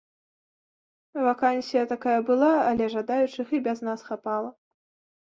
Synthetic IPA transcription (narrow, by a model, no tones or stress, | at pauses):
vakansʲijɐt̪akajɐbɨlˠaɐlʲɛʐad̪ajut͡ʂɨxɨbʲɛznasxapalˠɐ